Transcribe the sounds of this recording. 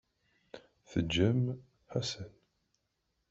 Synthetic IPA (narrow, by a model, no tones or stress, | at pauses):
θəd͡ʒːəm | hæsən